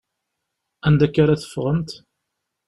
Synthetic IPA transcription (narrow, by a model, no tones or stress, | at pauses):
ænd̪ækːaɾaθə̥fːʁənt̪